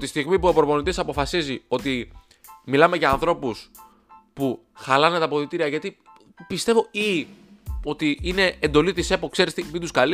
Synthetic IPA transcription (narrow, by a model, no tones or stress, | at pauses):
t̪ist̪iɣmipuɐpoɾopo̞nit̪isɐpo̞fɐsizio̞t̪i | milɐme̞ʝɐːnθɾo̞pus | pu | xɐlɐnet̪ɐpo̞θit̪iɾiɐʝɐt̪i | pist̪e̞vo̞i | ot̪iine̞end̪o̞lit̪ise̞po̞kse̞ɾist̪ipid̪uskɐli